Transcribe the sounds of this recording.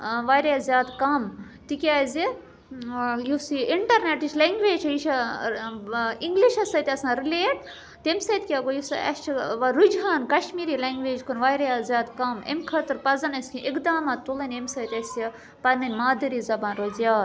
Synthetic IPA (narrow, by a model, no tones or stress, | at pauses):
ʋaːjɾjaːzʲjaːd̪kɐm | t̪ikʲiaːzi | jusiʔiɳʈɐɾneʈiʃleŋɡʋeːd͡ʒʰɐjiʃʰɐ | iŋɡliʃɐsɐt̪ʲɐsãːɾileːʈ | t̪emsɐt̪ʲkʲaːɡojusɐ̰ɐ̰st͡ʃʰiʋɐɾud͡ʒaːnkɐʃmiːɾiːleŋɡʋeːd͡ʒkʰonʋaːjɾjazʲjaːd̪kɐmḛmʲkʰɐt̪ɨɾpɐzɐnɐskʲiʔikd̪aːmaːt̪t̪ulɐnʲemsɐjt̪ʲɐsjɐ | pɐnɐnʲmaːd̪ɐɾiːzɐbaːnɾozjaːd̪